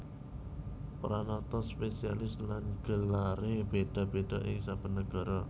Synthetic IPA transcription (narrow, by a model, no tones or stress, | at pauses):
pɾanɔt̪ɔspesialɪslanɡ̥əlaɾeb̥eɖ̥a̤b̥eɖ̥aʔɪŋsafənəɡ̥a̤ɾɔ